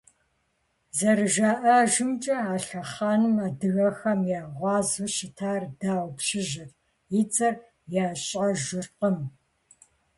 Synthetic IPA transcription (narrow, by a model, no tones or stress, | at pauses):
zɐɾɨʒaːʔɐʒɨmt͡ʃʼɐaːɬɐχɑːnɨmaːdɨɣɐxɐmjaːʁʷɑːzuʃɪtʰaːrdaːwʷpʃɪʒɪr | ɪt͡sʼɐr | jaːɕʼɐʒɪrqəm